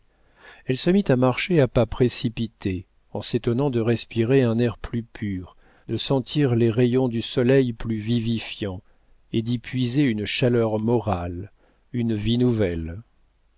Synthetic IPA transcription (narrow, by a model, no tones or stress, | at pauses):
ɛlsəmit̪amaʁʃeapapχesipit̪ʰe | ɑ̃set̪ɔnɑ̃d̪əʁɛspiʁeɛ̃nɛʁplypʰyʁ | d̪əsɑ̃t̪ʰiʁleʁejɔ̃d̪ysɔlɛjplyvivifjɑ̃ | ed̪ipʰɥizeynʃalœʁmɔʁal | ynvinuvɛl